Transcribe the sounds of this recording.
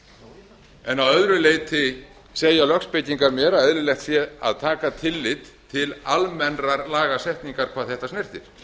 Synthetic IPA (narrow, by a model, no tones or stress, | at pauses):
ɛnawœðɾʏleːjt̪ʰɪ | seːjalœkspɪjc̪iŋkaɾmɛːɾaɛðɾɪlɛxt̪sjɛa̰ðt̪ʰaːkat̪ʰɪlːɪt̪ʰːɪlalmɛnraɾlaːɣasɛht̪niŋkaɾ̥kʰvaːðθɛht̪asnɛr̥t̪ɪɾ̥